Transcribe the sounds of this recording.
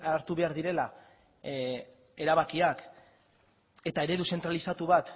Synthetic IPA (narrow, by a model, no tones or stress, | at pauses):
aɾt̪uβe̞aɾðiɾe̞la | e̞ɾaβakiak | e̞t̪ae̞ɾe̞ðuse̞nt̪ɾalisat̪uβat̪